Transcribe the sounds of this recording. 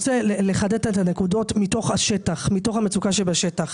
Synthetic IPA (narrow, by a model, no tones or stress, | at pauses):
t͡seleleχadettane̞kudo̞tmito̞χhaʃetaχmito̞χhamet͡sukaʃebaʃetaχ